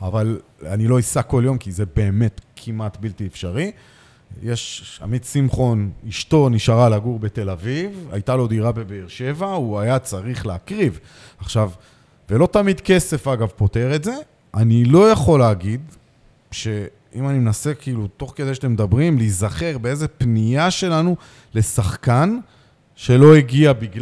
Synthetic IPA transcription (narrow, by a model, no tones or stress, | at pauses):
avalanilo̞isako̞ljo̞mkizebe̞ːme̞tkʰimatbiltiefʃaʁi | jeʃa̰mid̪simχo̞niʃto̞niʃaʁalaɡuʁbe̞t̪e̞laviva̰jtalo̞d̪iʁabe̞beːʁʃe̞vauajat͡saʁiχleakʁiv | aχʃav | ve̞lo̞t̪amid̪ke̞se̞faɡavpo̞te̞ʁetze̞ | ʔanilo̞jaχo̞leːɡid̪ | ʃe̞ | imanimenase̞kiilut̪o̞χke̞d̪ejʃe̥temed̪abʁimlizaχe̞ʁbeezepnijaʃe̞lanu | le̞saχkan | ʃe̞lo̞iɡiabiɡl